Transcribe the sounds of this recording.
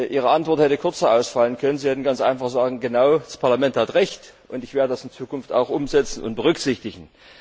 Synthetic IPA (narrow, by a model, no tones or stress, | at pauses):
ʔiːʁ̞əʔantv̥ɔɐthɛtəkʰʊɐt͡sɐʔaʊsfalənkʰœnənziɛtn̩ɡant͡sʔa̰ɪnfaχz̥aːɡŋ̩ɡənaʊdaspʰaɐlamɛnthatʁɛçt | ʔʊntɪçv̥eːɐdədasɪnt͡suːkʊnfta̰ʊxʔʊmzɛt͡sn̩ʊ̰nt̚b̥əʁʏkz̥ɪçtɪçn̩